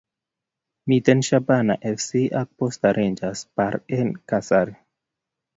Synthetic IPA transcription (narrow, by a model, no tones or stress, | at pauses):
mitenʃabana̰ʔefsiʔak̚postaɾʔend͡ʒaspaɾenkasaɾ